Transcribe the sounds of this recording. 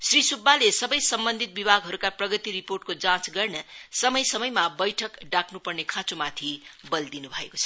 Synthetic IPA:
srisubːalesʌbʌjsʌmbʌnd̪ʱit̪̚bibʱaɡɦʌɾukaprʌɡʌt̪iriporʈkod͡zãt͡sɡʌrnʌsʌmʌjsʌmʌjmabʌjʈʰʌkɖakʰnupʌrnekʰãt͡somat̪ʰibʌld̪inubʱʌeko̥t͡sʰʌ̥

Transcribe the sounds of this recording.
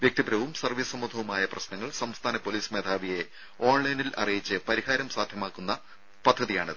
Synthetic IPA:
ʋjek̚t̪ibɾɐʋumsɐrʋiːssɐmːud̪ʱɐʋumaːjɐprɐɕnɐŋːɐɭsɐmst̪ʰaːnɐpo̞liːsme̞ːd̪ʱaːʋije̞ | o̞ːɳlɐjnilɐ̰rijit͡ɕːɨpɐɾiɦaːɾɐmsaːd̪ʱjɐmaːkːunːɐ | pɐd̪ʱːɐðijaːɳɨðɨ

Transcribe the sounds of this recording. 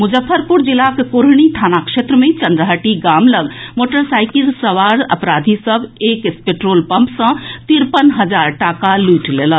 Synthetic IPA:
mʊd͡ʒəfʰːəɾpuɾd͡ʒilakekoɾɳit̪ʰanakʃet̪ɾəmẽt͡ʃənd̪ɾəɦəʈiɡamləɡmoːʈəɾsaːjkilsəʋaɾə̰pɾad̪ʱisəbʱekspeʈɾoːlpəmpsə̃t̪iɾpənɦəd͡ʒaɾʈakaluʈlelən

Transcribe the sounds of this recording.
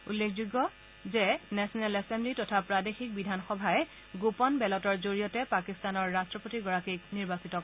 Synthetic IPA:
ulːekʰzuɡɔ | zɛnɛsɔnɛlɛsɛmblitɔtʰapɹadexik̚bidʱanxɔbʱaɛ | ɡopɔnbɛlɔtɔɹzoɹijɔtɛpakistanɔɹːastɹɔpotiɡɔɹakik̚niɹbasitɔ

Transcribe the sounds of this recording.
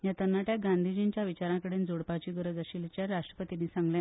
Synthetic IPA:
jat̪ənːaʈjaɡand̪ʱid͡ʑint͡ɕjaʋit͡ɕaɾãkəɽend͡zoɽpat͡ɕiːɡəɾəd͡zəɕilt͡ɕjaɾaʂʈɾə̥pət̪iniːsãŋɡljã

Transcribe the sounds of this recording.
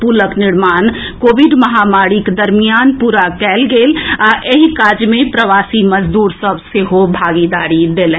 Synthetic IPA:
puːləknɪɾmaːnkoːbiɖməɦamaɽiked̪əɾmijaːnpuːɾakɛːlɡeːlaʔeɦikaːd͡ʒmẽpɾəʋaːsiməd͡ʒd̪uːɾsəbseɦobʱaɡid̪aːɾid̪elɛ̃ː

